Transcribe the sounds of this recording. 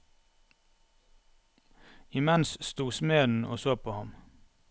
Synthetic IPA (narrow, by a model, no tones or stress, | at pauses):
ɪmɛnsst̪uːsmeːn̩ʔo̰ːsoːpʰoːhɑm